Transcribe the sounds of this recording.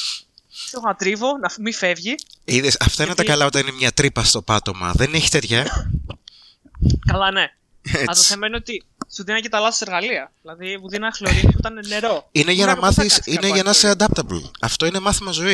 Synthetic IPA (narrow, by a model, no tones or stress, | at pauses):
soɣɐt̪ɾivo̞nɐfmifevʝiiðesɐft̪ɐinet̪ɐkɐlɐo̞t̪ɐnine̞mɲɐt̪ɾipɐst̪o̞pɐt̪o̞mɐ̰ðeneçi̥t̪eðʝɐ | kɐlɐne | eɐðosemeniot̪i | suðinɐcet̪ɐlɐoseɾɣɐliɐðilɐðivuðinɐɐxloɾifiot̪ɐnneɾo̞ineʝɐnɐmɐθissineʝɐnɐseɐd̪ɐp̚t̪ɐblɐft̪o̞ine̞mɐθimɐzo̞i